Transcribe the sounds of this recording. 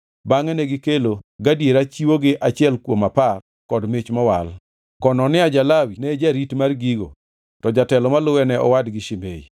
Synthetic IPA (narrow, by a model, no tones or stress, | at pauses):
baŋɛnɛɡɪkeloɡadjeɾat͡ʃiwoɡɪʔat͡ʃɪɛlkwomapar | kɔdmɪt͡ʃmɔwal | kɔnɔnɪad͡ʒalawinɛd͡ʒaɾitmarɡiɡo̰ | tɔd͡ʒatɛlɔmalʊwɛnɛʔɔ̰wadɡɪʃɪmḛḭ